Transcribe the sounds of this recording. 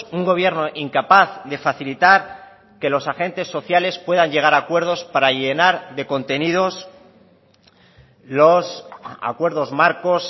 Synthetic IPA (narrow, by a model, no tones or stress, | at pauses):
uŋɡo̞β̞je̞ɾno̞ʔiŋkapaθðe̞faθilit̪aɾ | ke̞lo̞saxe̞nt̪e̞sːo̞θjale̞spwe̞ðaɲe̞ɣ̞aɾakwe̞ɾð̞o̞spaɾaʝenaɾðe̞ko̞nt̪e̞niðo̞s | losa̰kwe̞ɾðo̞zmaɾko̞s